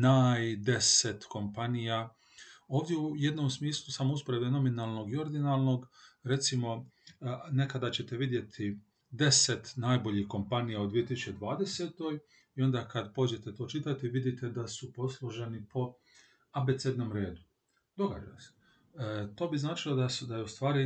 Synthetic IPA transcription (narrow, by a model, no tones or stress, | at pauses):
naːjd̪e̞se̞t̪ko̞mpanija | o̞ːʋd̪jeuje̞d̪no̞ːmsmiːslˠusamouspoɾe̞bd̪eno̞minaːlˠno̞ɡio̞ɾd̪inalˠno̞ɡɾe̞t̪simo̞ | ne̞kad̪at͡ɕe̞t̪e̞ʋid̪je̞t̪ʰi | d̪e̞se̞t̪naːjbo̞ʎixko̞mpanijaod̪ʋije̞t̪isut͡ʃe̞d̪ʋaːd̪e̞seːt̪o̞j | io̞nd̪aːkad̪po̞d͡ʑe̞t̪e̞t̪o̞ːt͡ʃit̪at̪iʋid̪it̪ed̪asupo̞slˠoʒenipʰo̞ | abe̞t̪sed̪no̞ːmɾe̞ːd̪u | d̪o̞ɡa̰d͡ʒa̰jse̥ | t̪o̞ːbiznaːt͡ʃilˠod̪asud̪ajeust̪ʋaːɾi